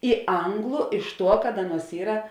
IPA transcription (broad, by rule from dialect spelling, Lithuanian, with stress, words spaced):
ɪ ˈɐŋɡlˠʊ ɪʃ ˈtuɔ kɐt ˈɑːˌnuɔs ˈiːrɐ